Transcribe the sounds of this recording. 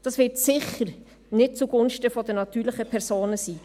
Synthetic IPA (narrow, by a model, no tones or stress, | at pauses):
d̥ɑsvɪtsɪχəɾ | nɪt̚t͡suɡ̥ʊnʃtəfɔdənɑtyːɾləχəpʰɛʁsoːnəsiː